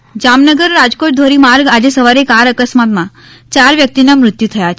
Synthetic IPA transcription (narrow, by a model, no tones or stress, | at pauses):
d͡ʑamnəɡəɾːad͡ʒkoʈ̚d̪ʱoɾimaɾɡad͡ʑesəʋaɾekaɾəkəsmat̪mã | t͡ɕaɾʋjək̚t̪inamɾʊt̪jut̪ʰəjat͡ʃʰ